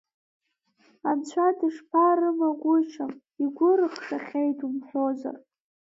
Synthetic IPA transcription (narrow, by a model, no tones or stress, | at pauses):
ant͡ɕʷʰadiʂpʰaɾɨmaɡʷʊʈ͡ʂʰam | iɡʷʊɾɨχʂaχʲejtʰʼumħʷᶣoza̰r